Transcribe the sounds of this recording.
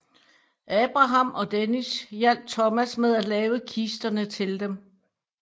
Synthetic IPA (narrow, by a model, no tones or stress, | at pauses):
ʔɛːb̥ʁɑ̈ɦɑ̈mɒ̽d̥enisjæl̰d̥̚t͡sʰɒmæsmeð̞ˠælɛːʊəkʰisd̥ɐnət͡sʰe̝ld̥em